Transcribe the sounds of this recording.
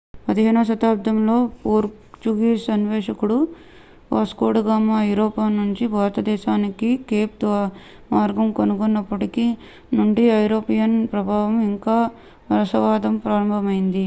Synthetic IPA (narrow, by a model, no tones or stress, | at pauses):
pɐd̪iɦeːnɐɐʃɐt̪aːp̚d̪ʱɐmlo̞ːpoːɾ | t͡ʃuɡiːsɐnʋɛːʂɐkuɽu | ʋaːskoːʈɡaːmːaːɐjuɾoːpaːnuɲt͡ʃibʱaːɾɐt̪ɐd̪ɛːʃaːnikikeːp̚d̪ʋa | maːɾɡɐmkonukonːɐpːɐʈiki | nuɳɖiɐjɾoːpijɐnpɾɐbʱaːʋɐmiŋkaː | ʋɐɾɐsɐʋaːd̪ɐmpɾaːɾɐmbʱɐmɐjind̪i